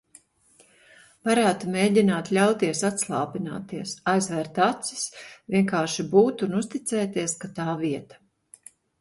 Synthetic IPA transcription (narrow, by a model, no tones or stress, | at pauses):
paɾaːt̪meːɟʲinaːt̪lʲawt̪iɛsat̪slˠɑːpina̰ːt̪iɛsajzvɛɾt̪at̪si̥svʲiɛŋkaːɾʃibuːt̪unust̪it̪sɛːt̪iɛskat̪aːviɛt̪ḁ